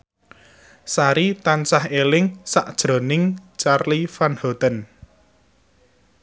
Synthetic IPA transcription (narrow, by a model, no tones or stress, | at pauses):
saɾit̪ansahelɪŋsaʔd̥ʒ̥ɾo̤nɪŋt͡ʃarlifanhɔot̪ən